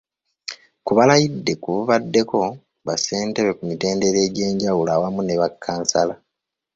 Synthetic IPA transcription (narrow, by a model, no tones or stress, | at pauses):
kuβalajidːe̞kuβuβadːe̞ko̞ | βase̞ːnteβe̞kumite̞ːnde̞ɾe̞ːɟe̞ːɲɟawulaːwamune̞βakʰːaːnsala